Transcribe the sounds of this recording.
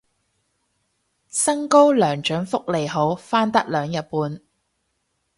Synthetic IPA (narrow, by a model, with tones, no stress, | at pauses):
sɐ˥ŋko˥wlœː˨˩ŋt͡ʃœː˨˥ŋfʊ˥k̚le˨jɦo˨˥wfaː˥nt̪ɐ˥k̚lœː˨˧ŋjɐ˨t̚puː˧n